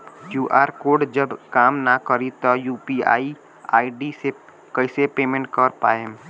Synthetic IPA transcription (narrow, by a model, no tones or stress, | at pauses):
juːʔaːɾkoːɾɖd͡ʒəbkaːmnakəɾit̪ɔjuːpia̰ːi | a̰ːiɖise | kəɪsepeːmẽɳʈ̚kəɾpaːem